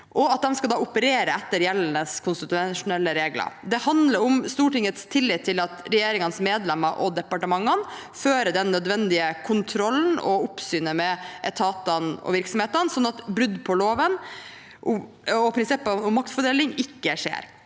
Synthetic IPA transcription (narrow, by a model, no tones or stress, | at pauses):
ʔɔɑt̪̚d̪ɛmskɑd̪ɑːʊpəɾeːɾəɛt̪ːəɾjɛlːnəskʰʊnst̪ɪt̪ʉʂʊnɛlːəɾeːɡlə̰ɾd̪ɛhɑnd̪ləɾʊmst̪uːʈɪŋːət̪st̪ʰɪlːɪt̪ʰːɪlɑt̪ɾɛjeːɾɪŋɑnsmeːd̪lɛməɾʔɔ̰d̪ɛpɑʈəmɑŋːənføːɾəd̪ɛnːœd̪ʋɛnd̪ɪəkʰʊnt̪ʰɾɔlːn̩ɔ̰ʊpsyːnəmɛʔɛt̪ʰɑːt̪ənɔ̰ʋɪɾksɔmheːt̪ənsɔnːɑt̪bɾʉd̪pʰɔloːʋən | ʔʊ | ɔpʰɾɪnsɪpːɑʊmmɑk̚t̪fɔɖeːlɪŋɪkːəʂḛːɾ